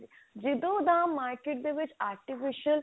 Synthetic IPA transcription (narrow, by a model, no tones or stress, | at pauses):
d͡ʒid̪oːd̪ãːmːaːɾkeʈ̚d̪eʋɪt͡ʃaːɾʈifiʃəl